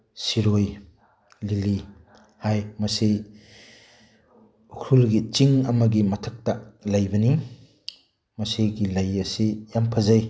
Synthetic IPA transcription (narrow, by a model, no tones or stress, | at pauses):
siɾoj | lili | hajmɐsi | kʰulɡit͡ʃiŋɐmɐɡimɐtʰɐk̚tɐlajbɐni | mɐseɡilajɐsijampʰɐzaj